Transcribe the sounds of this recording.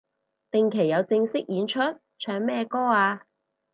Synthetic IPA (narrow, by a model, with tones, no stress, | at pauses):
t̪ɪ˨ŋkʰe˨˩jɐ˨˧wt͡sɪ˧ŋsɪ˥k̚jiː˨˧nt͡ʃʰɵ˥t̚ | t͡ʃʰœː˨˧ŋmɛː˥˧kɔː˥aː˧